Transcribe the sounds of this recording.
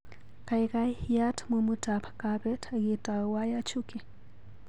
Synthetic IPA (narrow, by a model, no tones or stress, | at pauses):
kajɣajhiatmumutapakabɛtʰaɣitʼawajat͡ʃuki